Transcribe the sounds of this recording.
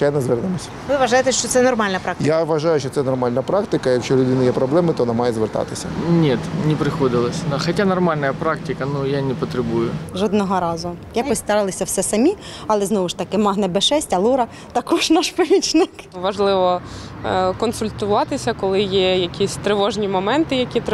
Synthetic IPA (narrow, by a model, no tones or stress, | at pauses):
t͡ʃɛjnɐzʋɛrnɪmɔsʲɐ̥ʋɪʋɐʒɑjet̪ɛʃt͡ʃɔt̪sɛnɔrmɑlʲnɐpɾɑk̪̚j̪aʋɐʒɑjʊʃt͡ʃɔt̪sɛnɔrmɑlʲnɐpɾɑkt̪ɪkɐjɐkʃt͡ʃɔlʲʊd̪ɪnɐjɛpɾɔblˠɛmɪt̪ɔɔnamɑjɛzʋert̪ɑ̰t̪ɪsʲɐ̰nʲit̪nʲɪpɾɪxɔd̪ɪlˠɐsʲd̪axɐtʲanɔrmɑlʲnɐjɐpɾɑktʲɪkɐnujanʲɪpɔt̪ɾebujʊʒɔd̪nɔɦɔɾɑzʊjapɔsʲt̪ɐɾɪlˠɐsʲɐwsɛsɐmʲi | ɐlˠɛznɔʋʊʃt̪ɐkɪmɑɦnɐbɛʃɛsʲtʲɐlˠuɾɐ | t̪ɐkuʃnɑʃpɔmʲit͡ʃnɪk | ʋɐʒlˠɪʋɔ | kɔnsʊlʲt̪ʊʋɑt̪ɪsʲɐkɔlˠɪjɛjɐkʲʰisʲt̪ɾɪʋɔʒnʲimɔmɛnt̪ɪjɐkʲit̪